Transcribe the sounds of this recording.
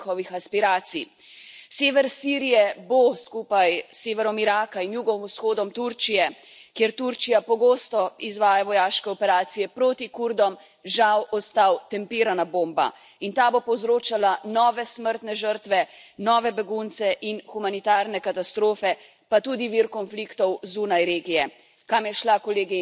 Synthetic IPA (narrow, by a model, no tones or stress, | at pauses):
xɔʋixaspiɾaːt̪si | seːʋɛɾsiːɾijɛboskuːpajsːeːʋɛɾɔmiɾaːkainjuɡɔʋmusxoːd̪ɔmt̪uɾt͡ʃijɛ | kjeɾt̪uɾt͡ʃijapɔɡoːst̪ɔizʋaːjaʋɔjaːʃkɛɔpɛɾaːt̪sijɛpɾoːt̪ikuɾd̪ɔm | ʒawʔɔst̪awt̪ɛmpiːɾanaboːmba̰ | int̪aːbopɔwzɾoːt͡ʃalanɔːʋɛsməɾt̪nɛʒəɾt̪ʋɛnɔːʋɛbɛɡunt̪sɛʔinxumanit̪aɾnɛkat̪ast̪ɾoːfɛ | pat̪uːd̪iʋiɾkɔnflikt̪ɔwzunajɾeːɡijɛ | kamjɛʃlakɔleːɡi